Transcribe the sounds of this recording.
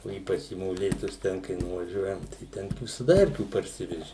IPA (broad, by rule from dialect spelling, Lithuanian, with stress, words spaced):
oː ˈiːpɐt͡ʃ iː moːˈlʲeːtʊs ˈtʲɛn kɐɪ nʊʋɐˈʒʲuɔjɛm tɐɪ ˈtʲɛn ʋʲɪsɐˈdɐ ˈɛrʲkʲuː pɐrʲˈsʲɪʋʲɛʒʲɪ